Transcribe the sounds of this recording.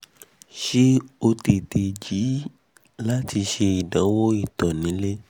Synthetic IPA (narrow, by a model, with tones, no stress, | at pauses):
ʃi˦o˧te˨te˨d͡ʒi˨˦ | la˦ti˧ʃe˧i˨dã˨˦wo˦i˦˨tɔ˨nĩ˨˦le˦